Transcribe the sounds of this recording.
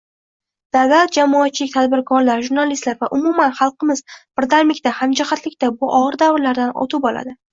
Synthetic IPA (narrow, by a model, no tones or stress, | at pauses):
d̪̥avlat̪̚d͡ʒamɒːt̪̚t͡ʃʰːɪlɪk̚ʲt̪ʰad̪bɪɾkʰɒɾlaɾʒuɾnalist̪laɾvaʔʊmʊmanχɑlˠqɨmɪzb̥ɪɾd̪aɾmlɪkʲt̪ahamd͡ʒɪχat̪lɪkʲt̪abʊʔɒʁɨɾd̪avɪɾlaɾd̪anɒ̰t̪ʰʊbɒla̰d̪ɪ